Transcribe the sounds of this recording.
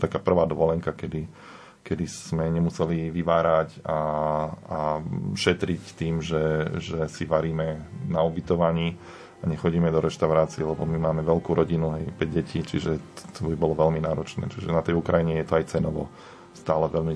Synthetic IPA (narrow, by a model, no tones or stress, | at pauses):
t̪akaːpr̩ʋaːd̪ʋɔlɛŋkakɛd̪i | kɛd̪ismɛɲɛmusɛliʋiʋaːɾaca | aʃɛt̪ɾict̪iːmʒɛʒɛsiʋaɾiːmɛnaubit̪ɔʋaɲiː | aɲɛxɔɟiːmɛd̪ɔɾɛʃt̪aʊɾaːt͡siɛlɛbɔmimaːmɛʋɛlkuːɾɔɟinuɦɛjpɾɛɟɛciːt͡ʃiʒɛt̪t̪ʰɔbibɔlɔʋɛlminaːɾɔt͡ʃnɛ̰ːt͡ʃiʒɛnat̪ɛjukɾajiɲɛjɛt̪ɔajt͡sɛnɔʋɔ̰ | st̪aːlɛʋɛlmi